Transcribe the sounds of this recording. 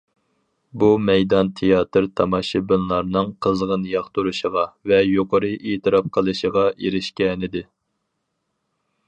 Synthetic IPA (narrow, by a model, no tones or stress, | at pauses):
bumɛjd̪ɑnt̪ʰejɑːt̪ʰɨɾt̪ʰɑmɑʃɨbɪnlˠɑɾnɨŋqʰəzʁənjɑχt̪uɾuʃəʁɑvɛjoqʰəɾɨʔeːt̪ʰɨɾɑp̚qʰəlˠɨʃəʁɑʔeɾɪʃkʲɛnɪd̪ɪ